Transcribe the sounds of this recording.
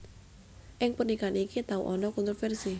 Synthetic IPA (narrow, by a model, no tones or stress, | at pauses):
ʔɪŋpənikanikit̪aṵʔɔnɔkɔnt̪ɾofɛrsi